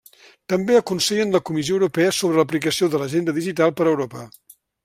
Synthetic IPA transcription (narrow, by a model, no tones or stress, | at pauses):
t̪əmbeəkunsɛʎənləkumisioəwɾupɛəsoβɾələp̬likəsioðələʒend̪əðiʒit̪alˠpəɾəwɾopə